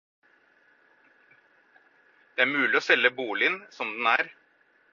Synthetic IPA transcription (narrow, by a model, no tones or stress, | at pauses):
d̪̥ɛæːɾmʉːlɪɔsɛlːəbuːlɪnsɔmd̪ɛnæːɾ